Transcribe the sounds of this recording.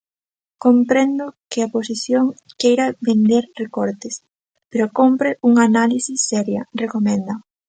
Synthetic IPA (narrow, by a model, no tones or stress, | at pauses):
kompɾend̪ʊkɪaposiθjoŋkejɾɐβend̪eɾrekoɾt̪ɪs | peɾokompɾɪʔuŋanalisisːɛɾjɐrekomɛnd̪ɐ